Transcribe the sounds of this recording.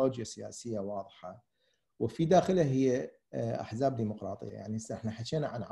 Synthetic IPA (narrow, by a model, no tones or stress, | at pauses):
oːd͡ʒjasɪja̰ːsɪjːawɑːðˤħɑ | wɪfid̪aːxɪlaɦɪjːe | ʔa̰ħzaːb̚d̪iːmʊqɾˤɑːt̪ˤɨ̰ja̰ja̰ʕniʔɪħnaħaʃeːnaʕanʕ